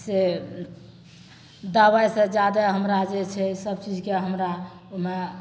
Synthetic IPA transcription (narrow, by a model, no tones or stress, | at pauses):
se | d̪awajsə̃d͡ʒad̪aɦəmɾad͡ʒet͡ʃʰɛsəbt͡ʃid͡ʒʱkeɦəmɾa | ome